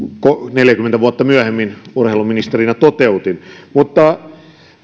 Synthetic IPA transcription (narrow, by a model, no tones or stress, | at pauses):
koneljækymːent̪æʋuɑt̪ːɑmyæhemːinurheˑiluminist̪erinæt̪ot̪eut̪inmut̪ːɑ